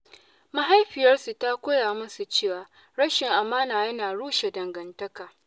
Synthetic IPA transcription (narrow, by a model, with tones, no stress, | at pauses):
ma˨ɦa˦jɸɪ˨jɐ˦rsu˨ta˦kʷoː˦jaː˨mʊ˦su˨t͡ʃeː˦˨waː˨ | ɽɐ˦ʃɪ˨ŋʔa˨maː˦naː˨jɐ˦naː˨ɽuː˦ʃe˨dɐ˨ŋɡɐ˨ntɐ˦kaː˨